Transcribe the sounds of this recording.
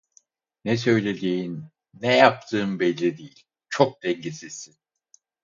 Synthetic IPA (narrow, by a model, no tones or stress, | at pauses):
nɛsø̞jlʲed̪iːnː | ɛjap̚t̪ʰɯːmbɛlʲːid̪ijilʲ | t͡ʃʰok̚d̪̥ɛɲɟisi̥sin